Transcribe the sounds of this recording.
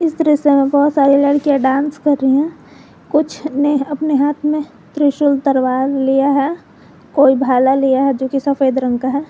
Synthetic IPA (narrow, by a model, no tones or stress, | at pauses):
ɪsd̪ɾɪsemẽbɐɦʊt̪saːɾilɐɽkijaɖãːnskɐɾːəiɦɛ̃ | kʊt͡ʃʰneɐpneɦaːt̪ʰmẽ | t̪ɾɪʃʊlt̪ɐɾʋaːɾlijaɦɛ | koːibʱaːlalijaɦɛd͡ʒoːkisɐfʰeːd̪ɾə̃ŋɡkaɦɛː